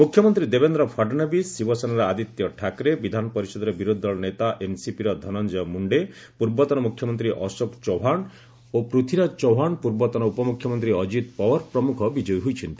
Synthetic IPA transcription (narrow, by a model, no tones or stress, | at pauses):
mukʰjɔmɔnt̪ɾid̪ebend̪ɾɔpʰaɖnabiːibɔsanaɾɔad̪it̪jɔʈʰakɾebid̪ʱanɔpɔɾisɔd̪ɔɾebiɾod̪ʱːɔɭɔnet̪aʔensipiɾɔd̪ʱɔnɔnd͡ʒɔjɔmuɳɖe | puɾbɔt̪ɔnɔmukʰjɔmɔnt̪ɾiʔɔsokt͡ʃɔwɦaɳ | opɾut̪ʰiɾat͡ʃɔwɦaɳpuɾbɔt̪ɔnɔupɔmukʰːjɔmɔnt̪ɾiɔd͡ʒit̪̚pɔwɔɾpɾɔmukʰɔbid͡ʒɔjɦojt͡ʃʰɔnt̪i